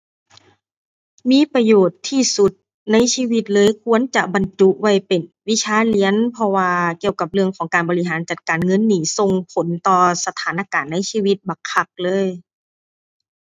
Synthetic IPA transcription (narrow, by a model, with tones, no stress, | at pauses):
miː˧˥˨pa˧joː˨˩t̪ʰːiː˧˩su˧˦t̪̚ | na˧˥˨jsiː˧˥˨wi˧˥t̪̚lɤː˧˨jkʰu˧˥ənt͡ɕa˧ba˨nt͡ɕu˧ʔwa˧˩jpe˨˩nwi˧˥t͡ɕʰaː˧˥˨li˧˥ənpʰɔ˧waː˧ki˧əwka˨˧˦p̚lɯ˧əŋkʰɔː˩˦ŋkaː˨˩nbɔː˨li˧˥ɦaː˨˦nt͡ɕa˧˦t̪̚kaː˨nŋɤ˧˥˨nːiː˨˩so˧ŋpʰo˨˦nt̪ɔː˧˩sa˧t̪ʰaː˨˦nʔa˧kaː˨˩nːa˧˥jsiː˧˥wi˧˦t̪̚ba˨˩ŋkʰa˧˩k̚lɤː˧˥˨j